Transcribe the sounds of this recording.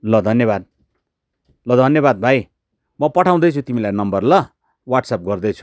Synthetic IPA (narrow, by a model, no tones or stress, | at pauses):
lʌd̪ʱʌnjʌbad̪̚ | lʌd̪ʱʌnjʌβad̪̚bʱaj | mʌpʌʈʰaw̃d̪ʌjt͡sʰũt̪imilajnʌmbʌrlʌ | waʈsap̚ɡʌrd̪ʌjt͡sʰu̥